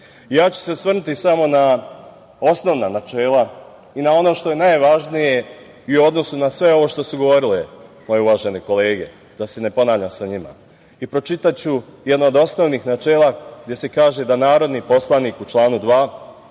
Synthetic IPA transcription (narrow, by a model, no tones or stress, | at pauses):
jaːt͡ɕu̥se̞sʋr̩nut̪isamo̞na | o̞sno̞ʋnanat͡ʃeːlˠa | inao̞no̞ːʃt̪o̞je̞najʋaʒnije̞ | iuo̞d̪no̞sunasʋe̞o̞ʋoːʃt̪o̞suɡo̞ʋo̞ɾilemo̞jeuʋaːʒe̞neko̞le̞ːɡe̞̰ | d̪̥ase̞ne̞po̞naːʋʎʲamsaɲima̰ | ipɾo̞t͡ʃit̪at͡ɕujed̪naod̪o̞sno̞ʋniːxnat͡ʃe̞ːlˠaɡ̚d̪ʲe̞se̞kaːʒe̞d̪anaːɾo̞d̪niːpo̞slˠaniːkut͡ʃlˠaːnud̪ʋaː